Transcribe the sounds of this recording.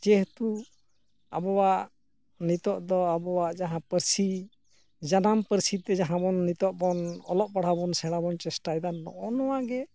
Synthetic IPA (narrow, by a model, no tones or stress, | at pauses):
d͡ʒɛht̪u | a̰bɔwaʔ | nit̪ɔʔd̪ɔabɔwaʔd͡ʒaɦãpəɾsi | d͡ʒanampəɾsit̪ɛd͡ʒaɦãbɔnːit̪ɔʔbɔnɔlɔʔ̚baɽ̤abɔnsɛɽabɔnt͡ʃɛsʈajd̪anːɔ̰ʔɔnɔwaɡɛ